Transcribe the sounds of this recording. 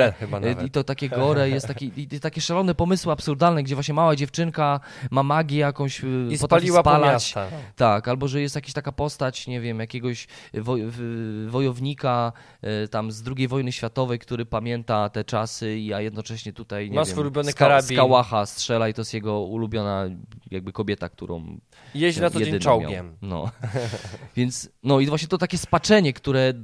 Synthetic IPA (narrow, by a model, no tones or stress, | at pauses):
xɨba̰nvit̪ɔt̪akʲɛɡɔɾɛjɛst̪ːakʲiit̪t̪akʲɛʂalɔnɛpɔmɘswɘapsuɾd̪alnɛɡd͡ʑɛvwaɕɲɛmawad͡ʑɛft͡ʂɘŋka | mamaɡʲjɛjakɔ̃w̃ɕpɔt̪alʲiwapalaast͡ɕ̪at̪akalbɔʐɛjɛst̪jakʲaɕt̪akapɔst̪at͡ɕɲɛvʲjɛmjakʲɛɡɔɕvɔ | vɔjɔvɲika | t̪amzd̪ɾuɡʲejvɔjnɘɕfʲjat̪ɔvɛjkt̪uɾɘpamʲjɛnt̪at̪ɛt͡ʂasɘiajɛd̪nɔt͡ʂɛɕɲɛt̪ut̪ajɲɛmasvjfɛmɔjulubʲjɔnɨskaɾasb̪ʲikawaxastʂɛlait̪ɔjɛst̪jɛɡɔulubʲjɔnajaɡ̚bɘkɔbʲjɛt̪ak̚t̪ṵɾɔ̰̃w̃ | jɛɕnat̪ɔɛdeɲnɔw̰kʲɛmnɔ̰ | vʲjɛnt̪snɔivwaɕɲɛt̪ɔt̪akʲɛspat͡ʂɛɲɛkt̪uɾɛ